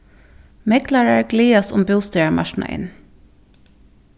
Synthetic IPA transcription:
mɛkʰlæɹəɹɡliːɑsʊmbʉːst̪œəɹmʔɑ̰ʃɳ̩ʔɑ̰ʔɪ̰n

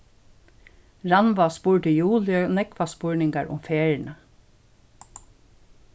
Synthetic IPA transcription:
ɹanʋaspuːɹɖəjuːljənɛkʋaspʊɹnɪŋɡaɹʊ̰mfeːɹɳə

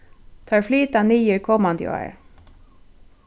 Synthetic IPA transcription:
t̪ʰɑːɹflyːt̪ɑniːjəɾkʰɔmɑnd̪jo̰æ̰ɹ

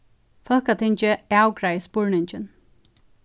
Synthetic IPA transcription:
fœlkat̪ʰɪɲt͡ʃɪawkɾajspʊɹɳɪɲt͡ʃɪn

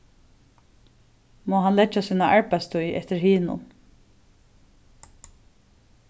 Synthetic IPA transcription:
moːɦanlɛt͡ʃːasiːnaʔaɹpajst̪ujʔɛ̰t̪ɪɾhiːnʊ̰n

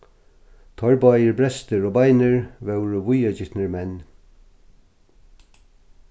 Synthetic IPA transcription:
t̪ʰɔɹbajəɹbɹɛst̪əɹoːbajnəɹvɛwɹvʊjad͡ʒɪt̪nəɹmɛn

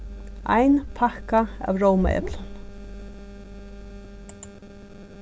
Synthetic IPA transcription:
a̰ɪnpʰahkaa̰ːʋɹowma̰ɛ̰plən

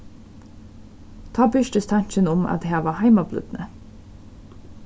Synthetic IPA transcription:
t̪ʰɑːbʏʃtəst̪ʰɑɲçənʊmɑ̰t̪hæːʋɑːhæɪmɑblʉ̰d̪nə

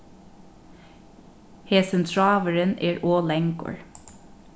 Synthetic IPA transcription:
heːsənt̪ʰɹɑːʋəɹənḛːɹʔoːlɛŋɡɔ̰ɹ

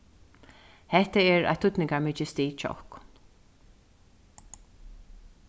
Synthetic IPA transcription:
hɛht̪əɛɹʔa̰jt̪ʰʊt̪nɪŋkamɪt͡ʃɪst̪iːt͡ʃʰɔ̰hkn

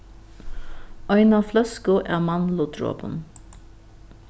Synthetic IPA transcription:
œʏnɑːflœskʊʔæ̰ːmɑnlʊd̪ɾo̰ːbə̰n

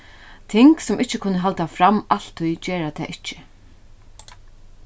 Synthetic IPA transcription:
t̪ʰɪŋksɔmʔɪt͡ʃːɪkʰʊnːəɦalt̪afɾamal̥t̪ʰʊjt͡ɕɛːɾat̪ʰɛ̰ːʔɪht͡ʃːɪ̥

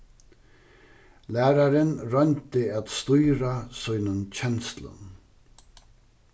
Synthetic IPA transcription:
læːɾaɾɪnɾœnt̪ɪæt̪st̪ujɾasujnənt͡ɕʰɛnst̪lə̰n

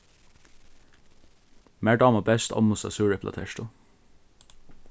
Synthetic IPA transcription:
mæːɖɑːmɑbɛst̪ʰɑ̰mʊsɑ̰sʉːɹɛpʰlʔɑ̰t̪ʰɛʃʈʊ

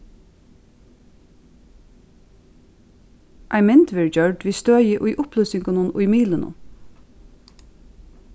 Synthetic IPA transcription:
ʔæɪmɪnt̪ʋeːɹd͡ʒœɹɖʋiːst̪øːjəʔʊːʔʊplœːsɪŋkɑnənʔʊ̰ːmiːlənə̰

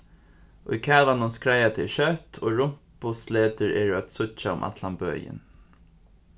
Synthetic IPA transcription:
ʊ̰jkʰæːlanʊnskɹajat̪ʰɪlʃœt̪ʰoːɹʊm̥pʊsleːt̪əɹɛːɹʊat̪sʊt͡ʃaʊ̰mʔa̰t̪lambø̰ːjɪ̰n

